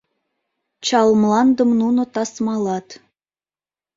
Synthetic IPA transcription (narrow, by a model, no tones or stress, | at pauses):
t͡ɕɑlmlɑnd̪ə̆mnunŏt̪ɑsmɑlɑt̪